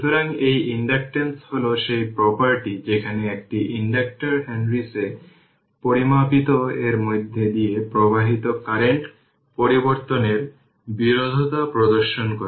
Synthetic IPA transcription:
ʃut̪oɾaŋejiɳɖak̚ʈensholoʃejpɾɔpaɾʈid͡ʑekʰaneek̚ʈiʔiɳɖak̚ʈaɾɦɛnɾise | poɾimapit̪oeɾmojd̪ʱːed̪ijepɾobaɦit̪okaɾeɳʈ | poɾiboɾt̪oneɾ | biɾod̪ʱot̪apɾod̪oɾʃonkoɾe

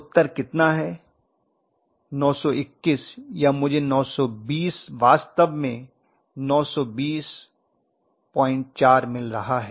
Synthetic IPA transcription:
ʊt̪ːəɾkɪt̪naɦɛː | nɔːsɔɪkːɪsjamʊd͡ʒʱenɔːsɔbiːsʋaːst̪əʋmẽ | nɔːsɔbiːs | pɔ̃ːɪ̃nʈ̚t͡ʃaːɾmɪlɾɐɦaɦɛː

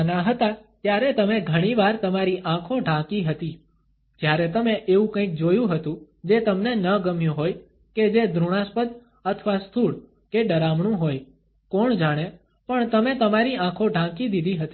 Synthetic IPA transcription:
ənaɦət̪at̪jaɾet̪əmeɡʱəɽ̃iʋaɾt̪əmaɾiʔãkʰõɖʱãkiɦət̪i | d͡ʒjaɾɛt̪əmeʔeʋũkə̃ĩk̚d͡ʒojũɦət̪ũ | d͡ʒet̪əmnenəɡəmjũɦoj | ked͡ʒed̪ʱɾuɽ̃ãspəd̪ | ət̪ʰʋast̪ʰuɽ | keɖəɾamɳũɦoj | kɔɳd͡ʒaɽ̃e | pəɳt̪əmet̪əmaɾiãkʰõɖʱãkid̪id̪ʱiɦət̪i

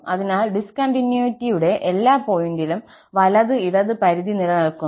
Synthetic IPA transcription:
ɐðinaːlɖiskɐɳɖinjuitːijuɽe̞ʔelːaːpo̞ːjindilum | ʋɐlɐðɨiɽɐðɨpɐɾiðinilɐnɐɭkːun

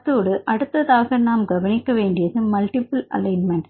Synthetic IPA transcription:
t̪ːoːɽɯʔɐɽɯt̪ːɐðaːɣɐnaːmɡɐʋɐnɪkːɐʋeːɳɖɪjɐðɯmɐlʈɪpɐlɐ̰lɐɪnmɛɳʈ

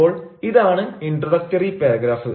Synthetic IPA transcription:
oːɭiðaːɳɨinɖrɐɽɐk̚ʈɐripeːɾɐɡɾaːfɨ

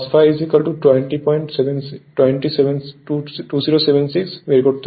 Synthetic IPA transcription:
sfʰaɪizikəlʈuʈweɳʈipɔ̃ɪ̃ɳʈseʋẽnsʈwẽɳʈiseʋẽnʈuːziɾoseʋẽnsiksʋeɾɡoʈt̪

